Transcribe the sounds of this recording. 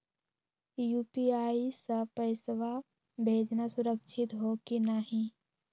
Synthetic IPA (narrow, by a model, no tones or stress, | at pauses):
juːpiaːisɐpəɪsʋa | bʱeːd͡ʒnasʊɾəkʃʰɪt̪ɦokinaɦĩ